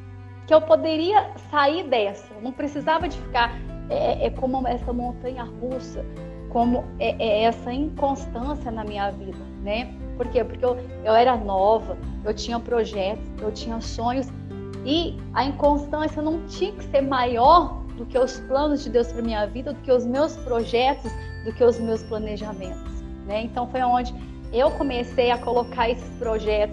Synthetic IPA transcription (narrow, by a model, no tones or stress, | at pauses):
kɪewpod̪eɾiɐsaiɾd̪ɛsɐnɐ̃w̃pɾesizavɐd͡ʒɪfi̥kaɾɛɛʔɛkõmʊɛsɐmõnt̪ɐ̃ɲɐhusɐ | kõmʊɛʔɛɛsɐĩkõst̪ɐ̃siɐnɐmĩɲɐvid̪ɐnɛ | poɾkepoɾkeew | ewɛɾɐnɔvɐewt͡ʃĩɲɐpɾoʒɛt̪ʊ̥sewt͡ʃĩɲɐsõɲʊs | ɪ | ɐĩkõst̪ɐ̃siɐenɐ̃w̃t͡ʃĩɐkɪ̥seɾmajɔɾd̪ʊkeʊsplɐ̃nʊzd͡ʒɪd̪ewspɾɐmĩɲɐvid̪ɐd̪ʊkeʊzmewspɾoʒɛt̪ʊs | d̪ʊkeʊzmewsplɐneʒamẽnt̪ʊ̥s | nɛẽnt̪ɐ̃w̃fojaõd͡ʒɪ | ewkõmesejɐkolokaɾesɪ̥spɾoʒɛt̪ʊs